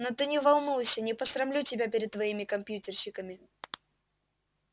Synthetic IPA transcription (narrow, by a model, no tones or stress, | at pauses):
not̪ɨnʲɪvɐlˠnujsʲənʲɪpəsɾɐmlʲutʲɪbʲapʲɪɾʲɪd̪̚t̪ːvɐimʲɪkɐmpʲjutʲɪrɕɪkəmʲɪ